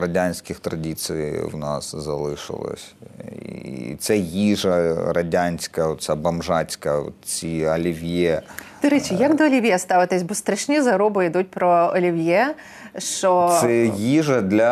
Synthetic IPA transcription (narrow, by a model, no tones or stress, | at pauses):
ɾɐdʲanʲsʲkʲɪxt̪ɾɐdʲit̪sɨjwnɑ̰szɐlˠɪʃɪ̰lˠɔ̰sʲ | it̪sɛjiʐɐɾɐdʲanʲsʲkɐt̪sɛbɐmʒɑt͡sʲkɐɔ̰tt͡sʲiɐlʲiʋʲjɛd̪̥ɔɾɛt͡ʃʲijɐɡd̪ɔːlʲiʋʲjɛst̪ɑʋɪt̪ɪsʲbɔst̪ɾɐʃnʲizɐɾɔbʊid̪ut̚ʲpɾɔɔlʲiʋʲjɛ | ʃt͡ʃɔɛjiʒɐd̪lʲɐ